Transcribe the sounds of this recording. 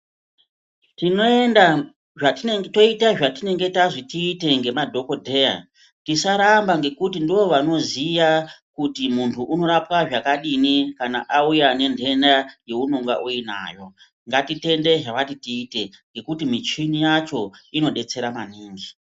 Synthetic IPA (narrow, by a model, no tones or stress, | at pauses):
tinoenda | ʐato̞itaʐatine̞ŋɡe̞taʐitiːte̞ŋɡe̞madʱo̞ko̞dʱe̞ja̰ | tisaɾambaŋɡe̞kutindiʋo̞ʋano̞zijakutimuntʰuʔːno̞ɾapwaʐakaɗinikana̰ʔaujane̞ndʱe̞ndaje̞unoŋɡa̰ʔuina̰ːjo̞ | ŋɡatite̞nde̞ʐaʋatitiːte̞ŋɡe̞kutimit͡ʃinijat͡ʃo̞ino̞ɗe̞t͡se̞ɾamaniːŋɡi